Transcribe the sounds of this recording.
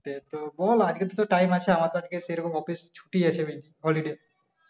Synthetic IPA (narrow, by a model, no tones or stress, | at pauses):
t̪et̪obɔlad͡ʒket̪et̪oʈajmat͡ʃʰeamat̪oad͡ʒkeseɾɔkɔmɔpist͡ʃʰu̥ʈiat͡ʃʰebed̪iɦɔliɖe